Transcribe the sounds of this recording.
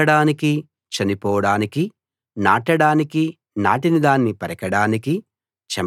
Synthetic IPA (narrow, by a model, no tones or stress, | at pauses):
ɐɽaːniki | t͡ʃɐnipɔːʋɐɽaːniki | naːʈɐɽaːniki | na̰ːʈinid̪aːnːipɐɾɐkɐɽaːniki | t͡ʃɐ